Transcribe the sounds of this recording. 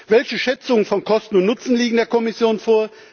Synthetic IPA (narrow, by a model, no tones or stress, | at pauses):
vɛlçəʃɛt͡sʊŋənfɔnkʰɔstn̩ʊntnʊt͡sn̩liːɡŋ̩deːɐkʰɔmɪsjoːnfoːɐ